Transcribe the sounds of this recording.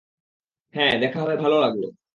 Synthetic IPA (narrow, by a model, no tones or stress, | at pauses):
hɛ̃d̪ɛkʰaɦɔtajbʱalolaɡlo̰